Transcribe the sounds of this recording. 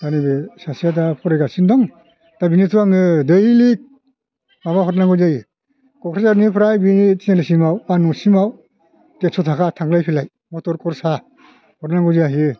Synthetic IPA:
danibɯsasijad̬apʰɔɾajɡasindɔŋ | tabinitʰuaŋɯdɯjlik̚ | maβaɦɔtnaŋɡɔzajɯ | kɔkʰɾazaɾnipʰɾajbinitinalisimawanusimaw | tesɔtʰakʰatʰaŋlajpʰilaj | mɔtɔɾkʰɔɾsa | hɔtnaŋɡɯziaɦɯ

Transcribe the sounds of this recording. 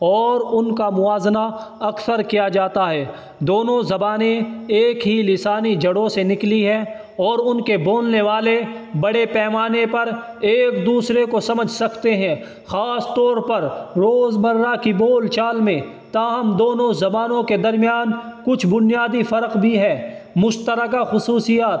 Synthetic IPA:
ɔːɾʊnkamʊaːzna | ɐksəɾkijad͡ʒaːt̪aɦɛː | d̪oːnõzɐbaːnẽeːkɦilɪsaːnid͡ʒʱɐɽõsenɪkliɦɛː | ɔːɾʊnkeboːlneʋaːlebɐɽepɛːmaːnepɐɾ | eːkd̪uːsɾekosɐməd͡ʒʱsɐkt̪eɦɛ̃ː | xaːst̪ɔːɾpɐɾɾoːzmɐɾːakiboːlt͡ʃaːlmẽ | t̪aɦɐmd̪oːnõzɐbaːnõked̪ɐɾmijaːnkʊt͡ʃʰbʊnijaːd̪ifɐɾəqbʱiɦɛːmʊʃt̪əɾəkaxʊsuːsijaːt̪

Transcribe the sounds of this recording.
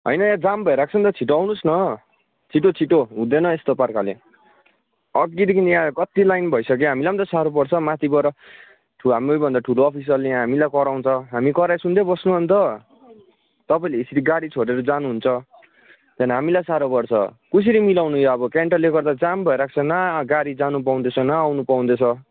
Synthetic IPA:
ɦʌ̰jnʌjãd͡zambʱʌeɾak̚ʰt͡sʰʌnt̪ʌt͡sʰiʈawnusnʌ | t͡sʰiʈot͡sʰiʈoɦũd̪enʌest̪oparkalḛ | ʌɡid̪ikʰinjãkʌt̪ilajnbʱʌisʌk̬eɦamilamʌnt̪ʌsaɾopʌrt͡sʰʌmat̪ʰibʌɾʌ | ʈʰɦamojbʱʌnd̪aʈʰuloːpʰis̬ʌlːejãɦamilajkʌɾaw̃nt͡sʰʌɦamikʌɾajsund̪ebʌsnuɦʌnt̪ʌ | t̪ʌpaĩleisiɾiɡaɽit͡sʰoɽeɾʌd͡zanuɦunt͡sʰʌ | t̪jʌnaɦamilajsaɾopʌrt͡sʰʌ̰kus̬iɾimilawnujoʌbʌkeɳʈʌleɡʌrd̪ad͡zambʱʌeɾak̚ʰt͡sʰʌnaɡaɽid͡zanup̬aw̃nd̪et͡sʰʌ̃naːwnupaw̃nd̪et͡sʰʌ̃

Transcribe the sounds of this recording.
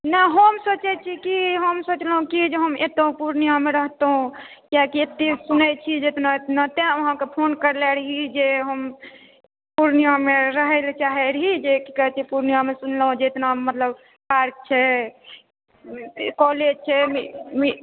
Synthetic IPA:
naɦəmsot͡ʃɛt͡ʃʰikiɦəmsot͡ʃləɦũkid͡ʒeɦəmet̪ũpuɾnijameɾəɦt̪ɦũ | kjakiet̪ːesunɛt͡ʃʰid͡ʒet̪naet̪nat̪ẽoɦãkepʰonkəɾlɛɾɦid͡ʒeɦəm | puɾnijameɾəɦɛlt͡ʃaɦɛɾɦid͡ʒekikəɦɛt͡ʃ̪ʰipuɾnijamesunləɦũd͡ʒeet̪namət̪ləb | paɾk̚t͡ʃʰɛ | kɔled͡ʒt͡ʃʰɛmmi

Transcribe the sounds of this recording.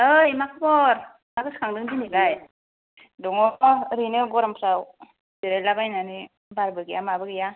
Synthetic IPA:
ɯjmakʰɯbɔɾ | maɡɯskʰaŋdɯŋbiniɡaj | dɔŋɔɾinɯɡɔɾampʰsaw | biɾalabajnanɯ | baɾbɯɡijamabɯɡija

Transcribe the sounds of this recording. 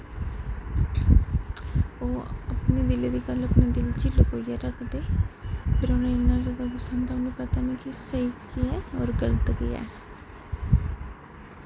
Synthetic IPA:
oːəpneːd̪ɪleːd̪iːɡələpneːd̪ɪlt͡ʃɪlkoːijaːɾəkʰd̪eːpʰɪɾonẽːɪnːãːd͡ʒəɡ̪aɡ̪ʊsãːnd̪aʊnũːpət̪aːniːkisəiːkiɛːɔːɾɡələt̪ɡɪa̰ː

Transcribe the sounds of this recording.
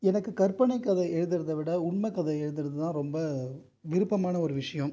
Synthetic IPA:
ɛnɐkːɯkɐɾpɐɳɐɪkːɐðɐɛɻɯðɯɾɐðɐʋɪɽɐʊɳmɐkːɐðɐɛɻɯðɯɾɯðɯt̪ãːɾɔmbɐ | ʋɪɾɯpːɐmaːnɐɔɾɯʋɪʂɐjɐ̃m

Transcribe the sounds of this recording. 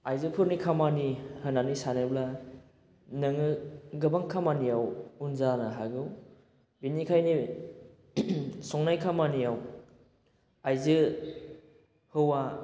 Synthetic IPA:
ajzɯpʰɯɾnikʰamanihɯnanisanɯbla | nɯŋɯɡɯbaŋkʰamanijawunzanaɦaɡɯw | binikʰajni | sɔŋnajkʰamanijaw | ajzɯ | hɯwa

